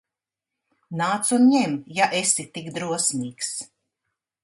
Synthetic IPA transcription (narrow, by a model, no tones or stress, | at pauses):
naːt̪sunɲɛmjaʔesit̪ikd̪ɾuɔsmʲiːks